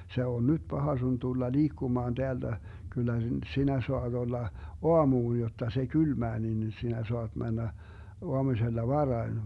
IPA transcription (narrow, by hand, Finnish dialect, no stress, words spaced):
se on nyd̥ b̥ɑhɑ sun tulːɑ liːkːumɑːn d̥eælːæ ɡ̊ylːæ sinæ soɑd̥ olːɑ oɑmuːj jotːɑ se kylmæː nin sinæ soɑd̥ mænːæ oɑmuselːɑ ʋɑrɑi̯n